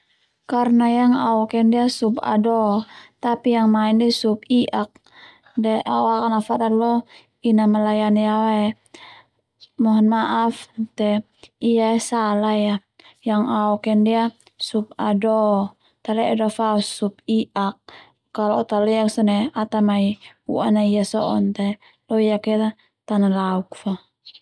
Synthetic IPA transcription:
karnajaŋaɔkɛndiasupa̰dɔt̪apijaŋmaɛndɛsupiʔak̚ | dɛʔawakanafaʔt̪alɔ | inamalajanijawɛ | mɔɦnmaʔaft̪ɛ | ijaɛsalaja | jaŋaɔkɛndia | sup̚adɔ | t̪alɛadɔfausupiʔak̚ː | alɔːt̪alɛaksɔnɛat̪amai | ṵa̰naijasɔʔɔnt̪ɛ | lɔijakɛɾa | t̪analauk̚fa

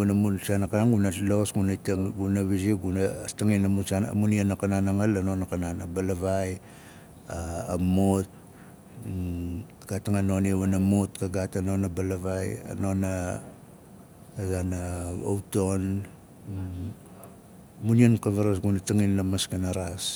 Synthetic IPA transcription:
namunsanakanaŋɡunatlo̞sɡunatɡunaβisiɡunastaŋinamusana̰munianakananaŋalːanonakananabalaβaj | aamot̚ | ɡ̥ataŋano̞niaβanamutkaɡatano̞nabalaβaja̰no̞na | ɡanao̰wto̞n | muniankaβaɾasɡunataŋinːamaskanaɾas

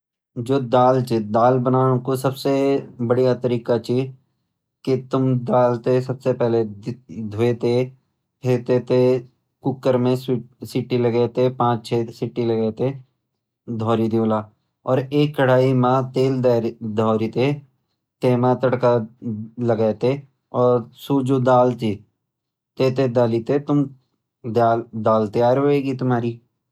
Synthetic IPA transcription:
d͡ʒoːd̪aːlt͡ʃed̪aːlbənaːɽ̃õkosɐbsebɐɽijat̪əɾiːkat͡ʃiː | kit̪ʊmd̪aːlt̪esɐbsepɛɦledd̪ʱʊet̪e | pʰeːt̪et̪ʰe | kʊkːəɾmẽssiʈːilɐɡet̪epãːt͡ʃt͡ʃʰesɪʈːilɐɡet̪e | d̪ʱɔːɾid̪iːlaː | ɔːɾeːkːəɽ̤aːimãt̪eːld̪ad̪ʱɔːɾit̪e | t̪eːmãt̪əɽkalɐɡɛːt̪e | ɔːɾsuːd͡ʒod̪aːlt̪i | t̪eːt̪ed̪aːlit̪et̪ʊm | d̪aːld̪aːlt̪eaːɾoːeːɡit̪ʊmɦaːɾiː

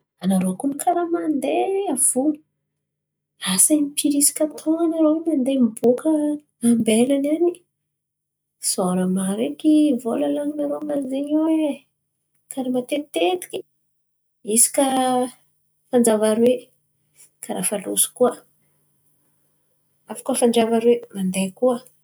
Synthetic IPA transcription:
anaɾoakunikʰaɾamand̪eav̥unə̥ | asamipʰiɾisi̥kʲat̪ʰoŋanaɾoinand̪emibukə | ambelanani | soɾamaɾekivolalaninaɾomazeɲwe | kaɾemat̪et̪et̪i̥kʲi̥ | isi̥kʲa | fand͡ʒavaɾwe | kaɾafalusu̥kuə | afḁkufaɳɖ͡ʐavaɾwemand̪ekuə

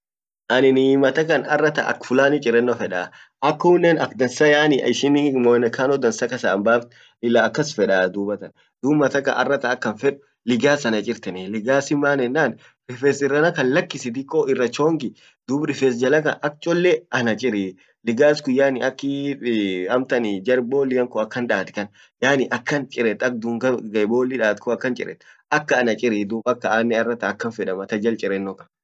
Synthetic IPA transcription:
ʔɐnɪnɪmɐt̪ɐkɐnɐrːɐt̪a̰ːʔɐ̰kfʊlaːnɪt͡ʃʼɪrːɛnːɔfɛᶑa | ʔɐkːʊnːɛnɐkd̪ɐnsɐjaːnɪɪʃɪnɪmɔnɐkaːnɔd̪ɐnsɐkɐsambaːft̪ | ɪlːaːkːɐsfɛᶑaːd̪uːbɐt̪ɐn | d̪̥uːbmɐt̪ɐkɐ̰ʔɐ̰rːɐt̪ɐːkːɐnfɛᶑʊ̥ | lɪɡaːsɐnɐt͡ʃʼɪɾt̪ɐnɛlɪɡaːsɪmːaːnɛnːaːn | ffɛsɪrːɐnɐkɐnlɐkːɪsɪd̪ɪkʼːoɪrːɐt͡ʃoːŋɡɪ | d̪̥ʊbɾɪfes̬d͡ʒɐlɐk̬ɐ̰ɐk̚t͡ʃʼɔlːɛʔɐnɐt͡ʃʼɪɾi | lɪɡaːskʊjːaːnɪʔɐkːɪ | ɐmt̪ɐnɪd͡ʒɐɾboːlːɪjɐŋkʊɐkːɐnᶑaːt̪ɪ̥kɐn | jaːnɪʔɐkːɐnt͡ʃʼɪɾɛt̪ːɐk̚d̪uŋɡɐɡɐjboːlːɪᶑaːt̪kʊɐkːɐnt͡ʃʼɪ̰ɾɛ̰t̪ːʔɐkːɐːnɐt͡ʃʼɪɾid̪uːbɐkːɐaːnːɛɐrːɐt̪aːkːɐnfɛᶑɐmɐt̪ɐd͡ʒɐlt͡ʃʼɪɾɛnːɔkɐ̥

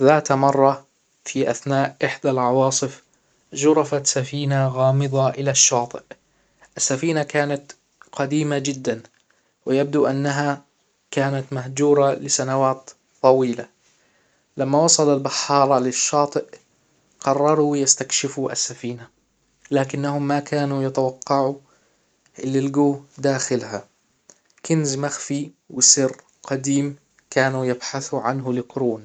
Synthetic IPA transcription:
ðaːt̪mɑrˤːɑ | fiʔaθnaːʔʔɪħd̪alʕɑwɑːsˤɨf | ʒʊɾˤɑfat̪safiːnaɣɑːmɨðˤɑʔɪlaʃːɑːt̪ˤɨʔ | ʔɪsːafiːnakaːnat̪ | qɑd̪iːmad͡ʒɪd̪ːan | wɪjab̚d̪uʔanːaɦa | kaːnat̪mahd͡ʒuːɾˤɑlɪsanawaːt̪ | t̪ˤːɑwiːla | lamːawɑsˤɑlalbɑħːɑːɾˤɑlɪʃːɑːt̪ˤɨʔ | qɑrˤːɑɾˤuwɪjast̪akʃɪfuʔa̰sːafiːna | laːkɪnːaɦʊmːakʰaːnujɪt̪awɑqːɑʕu | ʔɪlːilɡuːhd̪aːxɪlha | kɪnzmaxfi | wɪsɪr | qɑd̪iːm | kaːnujɪbħaθuʕanɦʊlɪqʊɾuːn

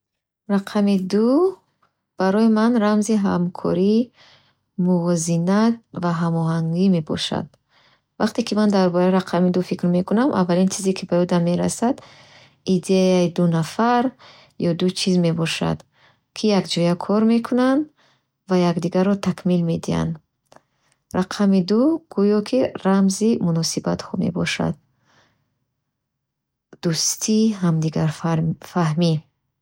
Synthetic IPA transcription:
raqʰamid̪u | b̥aɾɔimanɾamziɦa̰mkʰɔ̰ɾi | muvɔzinat̪̚vaɦamɔɦaŋɡime̞bɔ̰ʃa̰d̪̥ | vaqt̪ikimand̪aɾbɔɾaiɾaqʰamid̪ufikɾmekunamʔa̰vːalint͡ʃʰizikʰibajud̪amːe̞ɾa̰sad̪ | id̪eaid̪unafaɾ | jɔd̪ut͡ʃʰizme̞bɔʃa̰d̪ | kʰijaɡd͡ʒɔjakʰɔɾme̞kʰunand̪ | vajakd̪iɡaɾɔt̪ʰakʰmilmed̪ia̰nd̪ | ɾaqʰamid̪uɡ̥ujɔkʰiɾamzimunɔsibat̪hɔme̞̰bɔʃa̰d̪̥̚ | d̪̥ust̪ʰiɦamd̪iɡaɾfaɦmi

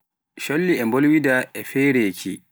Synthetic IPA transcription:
ʃɔlːiʔɛmbɔlwidaʔɛfɛːɾeːkʰḭ

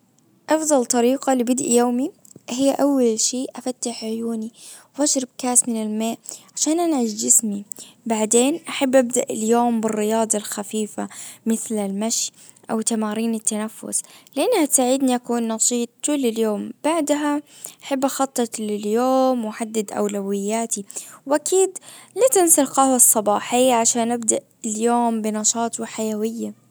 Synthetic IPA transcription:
ʔɑfd̪ˤɑlt̪ˤɑɾiːqɑlɪbɪd̪ʔijoːmi | hɪjːʔawːalʃiːʔafat̪ːaħʕʊjuːniwʔaʃɾˤɪb̚kaːsmɪnɪlmeːʔʕaʃaːnʔanʕɪʃd͡ʒɪsmibaʕd̪eːnʔaħabːʔab̚d̪aʔɪljoːmbɪrːɪjɑːd̪ˤɑlxafiːfamɪθlɪlmaʃj | ʔa̰wt̪amaːɾiːnɪt̪ːanafːʊ̰slɪʔanːhat̪saːʕɪd̪niʔakuːnːɑʃiːt̪̚ˤkʊlːɪljoːmb̥aʕd̪ɦaʔaħabːʔaxɑt̪ˤːɑlɪljoːmːħad̪ːad̪ʔa̰wlawɪjːaːt̪iwʔakiːd̪lat̪ɪnsalqɑːsˤːɑbɑːħɪjːaʕaʃaːnʔabd̪aʔɪljoːmbɪnɑʃɑːt̪ˤwɪħajawɪjːa

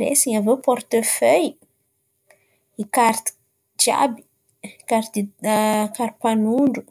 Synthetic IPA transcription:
ɾḛsiɲavopɔɾt̪əfœj | ikaɾt̪i̥ | d͡ʒa̰bi̥ | kaɾt̪ | kaɾpanuɳɖ͡ʐu

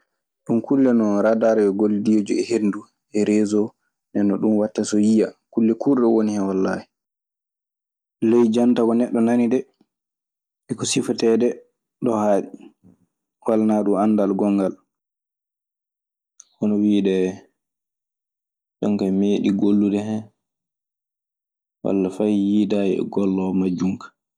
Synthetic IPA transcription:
ɗumkulːɛnɔɾadaɾɛjɔɡolːidijod͡ʒuɛhendu | ʔɛɾezɔ | nɛnːɔɗunwatːasɔjijakulːɛkuɾɗɔwonihɛwalːa̰hɛ | lejd͡ʒantakɔnɛɗːɔnanidɛ | ɛkɔsifɔtɛdɛ | ɗɔhaːɗi | walnaɗumandalɡɔŋɡal | hɔnɔwiːɗɛ | ɗɔŋkameːɗiɡolːudɛɦɛ | ɗwa̰lːafajjiːdajɛɛ̰ɡɔlːɔmad͡ʒuŋkḁ

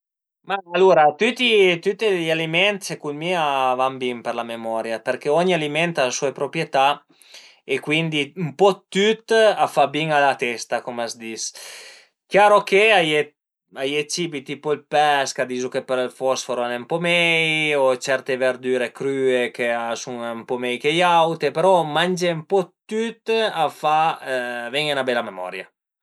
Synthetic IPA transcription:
maalːuɾat̪yt̪it̪yt̪eʎalimɛnt̪sekunmiavambimpeɾlamemɔɾjapeɾkeɔɲialimɛnt̪asuepɾopɾjet̪a | ekwind̪iumpɔt̪ːyt̪afabiŋalat̪ɛst̪akomasd̪is | kjaːɾokeaje | ajet͡ʃibit̪ipoilpɛskad̪iːzukepeɾlfɔsfoɾanempɔmɛjot͡ʃɛɾt̪eveɾd̪yːɾekɾyːekeasuŋmpɔmɛjkejawt̪epeɾɔmand͡ʒempɔt̪ːyt̪afa | vɛŋenabɛlamemɔ̰ɾja̰

